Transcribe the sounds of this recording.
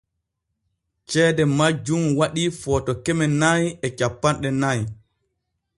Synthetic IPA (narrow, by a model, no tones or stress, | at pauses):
t͡ʃɛːdɛmad͡ʒumwaɗiːfɔːtɔkɛmɛnajɛt͡ʃapːanɗɛnaj